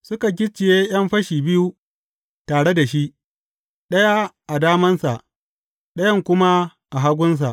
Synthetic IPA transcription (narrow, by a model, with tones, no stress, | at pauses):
sʊ˦ka˨ɡ̬ʲɪ˦t͡ʃːɪ˨jeː˦j̰ɐ˦mɸɐ˦ʃiː˨bɪ˦ju˦ | taː˨ɽe˦da˨ʃi˦ʔ | ɗɐ˦ja˦ʔa˨daː˦mɐ˦nsa̰˨ʔ | ɗɐ˦jɐ˦ŋkʷʊ˦ma˦ | ʔa˨ɦa˦ɡʷʊ˦ns̬a̰˨ʔ